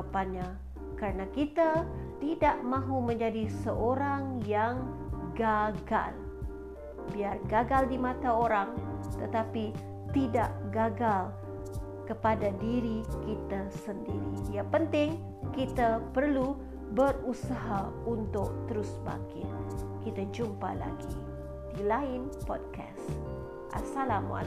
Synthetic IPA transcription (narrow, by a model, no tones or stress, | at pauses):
apaɲa | kaɾənakit̪a | t̪idaʔmãɦuməɲd͡ʒadisəʔoɾaŋjaŋɡaɡa̰l | biarɡaɡaldimat̪aoɾaŋt̪ət̪api | t̪idaʔɡaɡal | kəpadadiɾikit̪asəndiɾidiapənt̪ɪŋ | kit̪apərlu | bərusaɦa | unt̪ʊk̚t̪əɾʊsba̰kɪ̰t̪̚kit̪ad͡ʒumpa̰la̰ɡi | d̥ilaɪnpɔd̚kʰa̰s | ʔa̰salam̰a̰